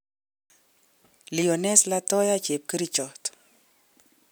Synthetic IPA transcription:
li˨ɔ˨nɛ˦sla˦tɔ˦ja˦t͡ʃe˨p̚ki˦ɾi˦t͡ʃɔ˨t

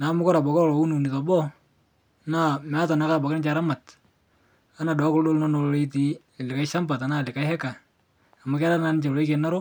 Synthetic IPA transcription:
na˨˦mʊ˦kɔ˦ɾa˨bɔ˨kɔ˦ɾɔ˨lɔ˨u˦nu˨ni˨ka˨bɔ˦ | na˦mɛ˨˦a˦ta˨na˨˦ka˦ba˨kɪ˦nɪ˦t͡ʃa˨ɾa˦ma˨t | a˦na˨dɔ˨˦kʊ˦ldo˦lnɔ˦no˨lle˦ti˨˦˨ | lɪ˨ka˦ɪ˦ʃa˦mba˨ta˨˦na˦˨lɪ˨ka˦ɪhɛ˦kaː˨ | ma˨ka˦ɾa˦na˦nɪ˦t͡ʃa˨le˦ke˨na˦ɾʊ˦

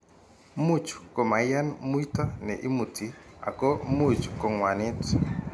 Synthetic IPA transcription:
mu˦t͡ʃko˨ma˨ja˦nmu˦i˦tɔ˦nɛ˨ʔi˦mu˨tʰi˨a̰˨kɔ˦mu˦˨t͡ʃko˨ŋwa˨nɪ˦t

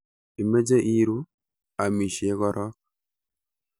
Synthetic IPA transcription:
i˨me˦d͡ʒe˦ʔi˦ɾu˦ | a˨mi˨ʃi˨e˦ɣɔ˦ɾɔ˦k

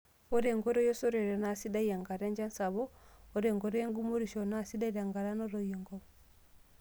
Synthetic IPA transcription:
ɔ˦ɾɛ˨ŋɡɔ˦ɾɔ˦jɔ˦sɔ˦ɾɛ˨ɾɔ˨na˨si˦da˦ija˨ŋɡa˨ɾa˦ɲd͡ʒa˦nsa˨βɔː˦ɾɛ˨ŋɡɔ˨ɾɔ˦je˦ŋɡu˦mo˦ɾi˨ʃɔ˨na˨si˦da˦i˦ɾa˨ŋɡa˨ɾa˦nɔ˦ɾɔ˨jɔ˨ŋɡɔ

